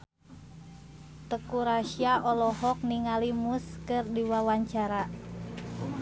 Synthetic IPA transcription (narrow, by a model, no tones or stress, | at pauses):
t̪əkuɾaʃiaʔɔlɔɦɔk̚niŋalimuskɨrdiwawaɲt͡ʃaɾa